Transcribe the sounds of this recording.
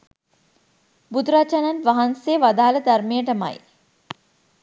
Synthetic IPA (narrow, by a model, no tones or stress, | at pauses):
bud̪uɾat͡ʃananʋaɦanseːʋad̪aːləd̪armijəʈəma̰j